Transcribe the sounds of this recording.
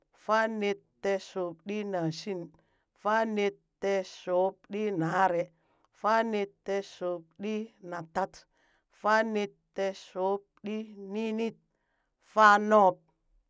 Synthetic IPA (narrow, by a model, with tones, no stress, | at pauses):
fa˦ne˧tːɛ˧so˨p̚ɗi˦na˨si˦n | fa˦ne˧tːɛ˧so˨˦p̚ɗi˦na˨˦ɾɛ˨ | fa˦ne˧tːɛ˧so˨˦p̚ɗi˦na˨ta˦t | fa˦ni˧ttɛ˧so˨˦p̚ɗi˦ni˦ni˦t̚ | fa˦nɔ˦p̚